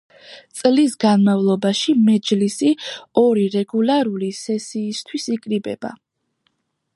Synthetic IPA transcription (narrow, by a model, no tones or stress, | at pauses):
t̪sʼlisɡanmavlˠɔbaʃimɛd͡ʒlisiɔɾiɾɛɡulˠaɾulisɛsiːst̪ʰwisikʼɾibɛ̰b̥a̰